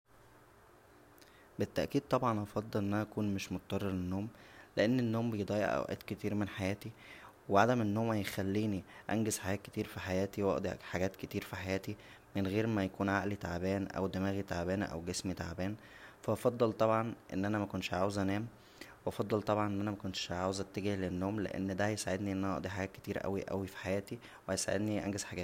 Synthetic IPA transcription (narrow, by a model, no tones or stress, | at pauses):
bet̪ːæʔkiːd̪̚t̪ˤɑbʕɑnʔɑfɑd̪ˤːelʔenːʔænæʔækuːnmeʃmot̪ɑt̪ɑrˤːɑɾlenːoːmleʔenːenːoːmbejd̪ˤɑːjḛʔʔæ̰wʔæ̰ːt̪ket̪iːɾmenħajæːt̪iweʕad̪æmʔenːoːmːæjexælːiːniʔænɡezħajæːt̪̚ke̥t̪iːɾfiħajæːt̪iwɑ̰ʔd̪ˤiħaɡæːt̪ket̪iːɾfiħajæːt̪i | menɣeːɾmæjækuːnʕaʔlit̪aʕbæːnʔæ̰wd̪emæːɣit̪aʕbæːnʔæ̰wɡesmit̪aʕbæːn | fæʔɑfɑd̪ˤːɑlt̪ˤɑbʕɑnʔḛnːʔænæmækonʃʕaːwezʔænæːm | weʔɑfɑd̪ˤːɑlt̪ˤɑbʕɑnʔenːʔænæmækont̪ʃʕaːwezʔæt̪ːeɡihlenːoːmlḛʔḛnːd̪æhæjesaʕed̪niʔenʔænæʔɑʔd̪ˤiħaɡæːt̪̚ket̪iːɾʔæ̰wiʔæ̰wifi̥ħajæːt̪i | wehæjesaʕḛd̪niʔæ̰nɡezħaɡæːt̪